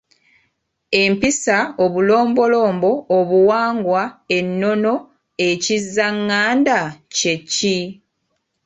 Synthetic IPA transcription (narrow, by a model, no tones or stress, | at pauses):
e̞mpisao̞βulo̞ːmbo̞lo̞ːmbo̞ːβuwaːŋɡwae̞nːo̞no̞ | e̞cizːaŋːaːndace̞cːi